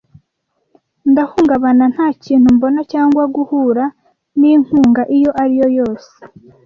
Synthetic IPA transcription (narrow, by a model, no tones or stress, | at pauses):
ndahuːŋɡaβanan̥haːciːn̥humbonacaːŋɡwaɡuhuɾa | niŋ̥huːŋɡaʔijo̞ʔaɾijo̞jo̞ːse̥